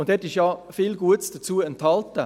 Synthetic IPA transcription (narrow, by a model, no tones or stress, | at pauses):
ʊntd̥ɛtɪʃjɑːfɪlɡuətsd̥ət͡suːəɛnthɑltə